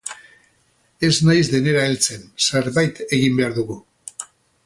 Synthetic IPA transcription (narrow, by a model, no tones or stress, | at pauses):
e̞znajzðe̞ne̞ɾaelt͡se̞nseɾβajt̪e̞ɣimbe̞aɾðuɣu